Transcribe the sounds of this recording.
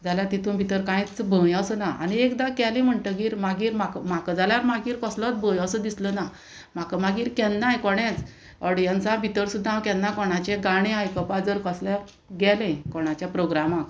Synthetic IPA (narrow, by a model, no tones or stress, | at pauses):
d͡zaljat̪it̪ʰũbʱit̪əɾkãĩt͡sbʱəjəsənaa̰ñiekd̪akɛlẽm̤əɳʈəɡiːɾmaɡiːɾmakmakəd͡zaljaɾmaɡiːɾkəslɔt͡s̪bə̃jəsəd̪isləna | makəmaɡiːɾkɛnːajkɔɽ̃ẽt͡s | ɔɽjant͡sabʱit̪əɾsud̪ʱːãwkɛ̃nːakɔɽ̃at͡ɕeɡaɽ̃ẽajkəpad͡zəɾkəslja | ɡɛlẽkɔɳ̃at͡ɕjapɾoɡɾamak